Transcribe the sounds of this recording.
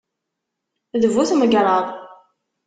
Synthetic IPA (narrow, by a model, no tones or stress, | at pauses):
ðəvuθməɡɾˤɑðˤ